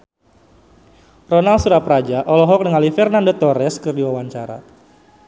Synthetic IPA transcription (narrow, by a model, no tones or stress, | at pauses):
rɔnalsuɾaprad͡ʒaʔɔlɔɦɔk̚nəŋalifɛrnandot̪ɔɾɛskərdiwawaɲt͡ʃaɾa̰